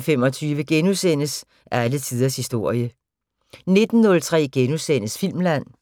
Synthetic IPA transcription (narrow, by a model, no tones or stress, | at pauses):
fem̰ɒ̽t͡sʰyːʋəɡ̥enusen̰əs | ʔæɐælət͡sʰið̞ˠɐshisd̥o̝ɐ̰jə | ne̝d̥n̩ːɔ̽lt͡sʰʁɛ̰ːɡ̥enusen̰əsfil̰mlæn̰